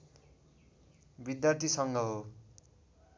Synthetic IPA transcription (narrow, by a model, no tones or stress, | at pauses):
bid̪jart̪ʰisʌŋɡʌɦo